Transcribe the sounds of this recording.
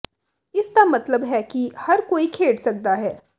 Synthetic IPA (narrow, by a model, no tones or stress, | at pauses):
ɪst̪amɐt̪ləbɦɛkihɐɾkoːikʰeːɖsɐk̚d̪aɦɛː